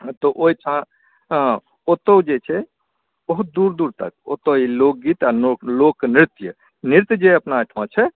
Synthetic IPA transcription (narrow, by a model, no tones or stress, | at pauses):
t̪ɔʔoit͡ʃʰã | ot̪od͡ʒet͡ʃʰɛ | oɦud̪uɾd̪uɾt̪ə̰k̚o̰t̪oilok̚ɡit̪anolokːnɾit̪jə | niɾt̪jd͡ʒeəpnaət̪ʰmãt͡ʃʰɛ